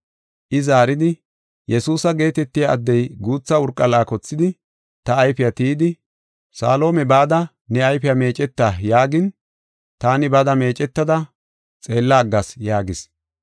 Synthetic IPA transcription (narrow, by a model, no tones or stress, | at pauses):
ʔɪzaːɾɪd̪ɪ | jɛsuːsɐɡe̞ːt̪ɛt̪ːɪjaːd̪ːɛjɡuːt͡sːɐʊɾkʼːɐlaːkɔt͡sːɪd̪ɪ | t̪ɐːjfɪjat̪iːd̪ɪ | sa̰ːlo̞ːmɛbaːd̪ɐ | nɛɐjfɪjame̞ːt͡ʃʼɛt̪ːaːjaːɡɪn | t̪aːnɪbɐd̪ɐme̞ːt͡ʃʼɛt̪ːɐd̪ɐ | t͡sʼe̞ːlːaːɡːɐsjaːɡɪs